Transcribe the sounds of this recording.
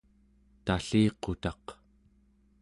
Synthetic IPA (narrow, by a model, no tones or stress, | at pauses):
t̪aɬiːqo̞t̪ɑq